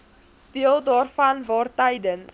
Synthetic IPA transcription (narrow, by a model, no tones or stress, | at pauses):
d̥iəlˠdɑːrfɐnvɑːrtəjdən